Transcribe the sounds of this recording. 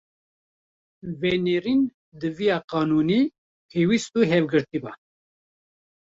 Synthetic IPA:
vɛneɾin | d̪ɨvijɑːqɑːnuːniː | pʰeːwist̪uːɦɛvɡɨɾt̪iba

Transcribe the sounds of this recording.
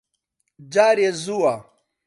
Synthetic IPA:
d͡ʑaːɾezuwa

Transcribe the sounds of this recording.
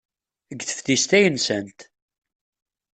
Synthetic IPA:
əɡθə̥fθist̪æjənsənt̪

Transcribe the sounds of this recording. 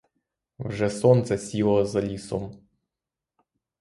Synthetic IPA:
vʐɛsɔnt̪sɛsʲilˠəzɐlʲisɔm

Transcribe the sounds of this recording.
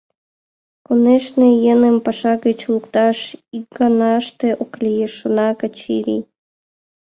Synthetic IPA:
koneʃnejenəmpɑʃɑɣət͡ɕlukt̪ɑʃikɡɑnɑʃt̪eʔoklʲijeʃə̆nɑkət͡ɕiɾḭ

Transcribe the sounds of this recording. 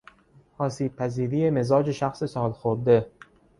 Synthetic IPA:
ʔɒːsiːb̚pʰæziːɾiːjemezɒːd͡ʒe̞ʃæxsesɒːlxoɾd̪e

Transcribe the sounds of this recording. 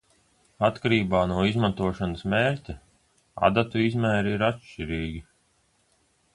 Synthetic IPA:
at̪kaɾiːbaːnuɔizmant̪uɔʃanasmeːɾtʲa | a̰d̪at̪uizmæːɾiiɾatʃt͡ʃiɾiːɡʲi

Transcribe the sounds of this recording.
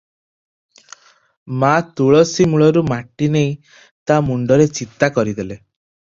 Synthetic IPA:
mat̪uɭɔsimuɭɔɾumaʈinej̃ | t̪amuɳɖɔɾet͡ʃit̪akɔɾid̪ele

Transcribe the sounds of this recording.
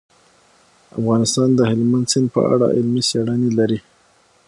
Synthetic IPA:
a̰fɣɑnɪst̪ɑnd̪əhɪlmand̪sɪnd̪̚pə̰a̰ɽa̰ʔɪlmisaɽanilaɾi

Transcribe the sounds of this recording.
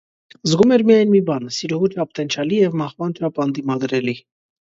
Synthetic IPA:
zɡumɛɾmijɑjnmibɑnsiɾuʁut̪ʰɑpt̪ɛnt͡ʃʰɑlijɛvmɑχvɑnt̪ɾɑpɑnd̪imɑd̪ɾɛli

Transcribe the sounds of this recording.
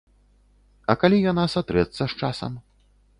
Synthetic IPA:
ɐkalʲijanasat̪ɾɛt̪sːɐʃt͡ʂasɐ̰m

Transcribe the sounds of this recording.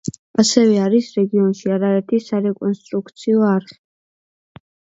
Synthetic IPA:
asɛvɛaɾisɾɛɡiɔnʃiaɾaɛɾt̪ʰisaɾɛkʼɔnst̪ʼɾukʰt̪sʰiɔaɾχi̥

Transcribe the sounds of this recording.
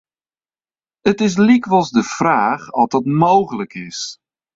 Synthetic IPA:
ətɪs̬likʋɔlˠzdəfraːχɔdɔtmowχələkʰɪs

